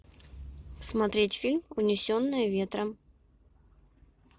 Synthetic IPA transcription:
smɐt̪ɾʲetʲfʲilʲmʊnʲɪsʲonːɨjəvʲe̞t̪ɾə

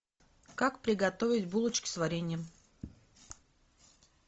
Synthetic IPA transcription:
kakpɾʲɪɡɐt̪ovʲɪtʲbulˠət͡ɕkʲɪ̥svɐɾʲenʲɪjəm

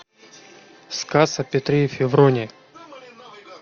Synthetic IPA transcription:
skasɐpʲɪt̪ɾʲifʲɪvɾonʲɪ

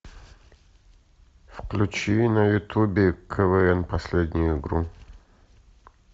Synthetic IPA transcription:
fklʲʉt͡ɕinəjʊt̪ubʲɪkʰəvɛɛnpɐsʲlʲed̪ʲnʲɪjʊɪɡɾu

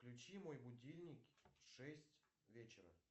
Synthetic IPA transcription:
klʲʉt͡ɕimo̞jbʊdʲilʲnʲɪkʂɛsʲtʲ | vʲet͡ɕɪɾə̰

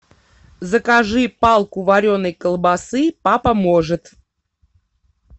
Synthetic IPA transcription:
zəkaʐɨpɑlˠkuvaɾʲonəjkəlˠbasɨpapɐmoʐɨt̪

